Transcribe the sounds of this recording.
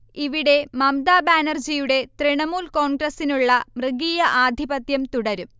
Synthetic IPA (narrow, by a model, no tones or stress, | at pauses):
iʋiɽe̞mɐmd̪aːbaːnɐrd͡ʑijuɽe̞t̪riɳɐmuːlko̞ːɳɡrɐsinuɭːɐmrɨɡiːjɐʔaːd̪ʱibɐt̪jɐmt̪uɽɐɾum